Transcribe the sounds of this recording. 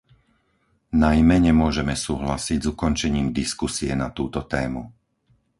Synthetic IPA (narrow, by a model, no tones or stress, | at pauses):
najmɛɲɛmʊɔʒɛmɛsuːɦlasiɟzukɔnt͡ʃɛɲiːmd̪iskusiɛnat̪uːt̪ɔt̪ɛːmu